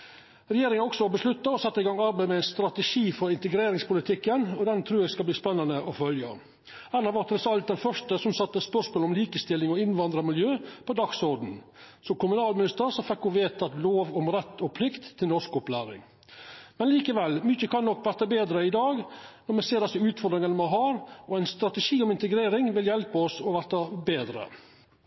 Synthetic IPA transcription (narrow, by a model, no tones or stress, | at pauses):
ɾɛjeːɾɪŋənɔksɔɔbəslʉt̪ːɑɔsɑt̪ːəɪɡɑŋɑɾbæɪmɛæɪnst̪ɾɑt̪əʂiːfɔɾɪnt̪əɡɾeːɾɪŋspʊlɪt̪ʰɪkːənɔd̪ɛnt̪ʰɾʉːɾɛɡskɑbliːspɛnːɑnəʔɔfœljə̰ | ænɑʋɑɾt̪ʰɾɛsɑlt̪̚d̪ɛnfœʂʈəsɔmsɑt̪ːəspœʂmoːlɔmliːkəst̪ɪlːɪŋɔɪnʋɑnd̪ɾɑmɪljøːpʰɔd̪ɑksɔɾd̪n̩sɔmkʊmʉnɑːlmɪnɪst̪əɾsɔfɛkːʊʋeːt̪ʰɑt̪loːʋɔmɾɛt̪ʰːɔpʰlɪkt̪ʰːɪlnɔʂkɔplæːɾɪ̰ŋ | mɛnliːkəʋɛlmʏçəkʰɑnːɔkːʋæɾt̪ɑbeːd̪ɾəɪd̪ɑːɡnɔɾmɛseːɾd̪ɛsəʉːt̪fɔɾd̪ɾɪŋənmɛɦɑɾɔæɪnst̪ɾɑt̪əʂiːɔmɪnt̪əɡɾeːɾɪŋʋɪljɛlpəɔsɔʋæɾt̪ɑbeːd̪ɾə̰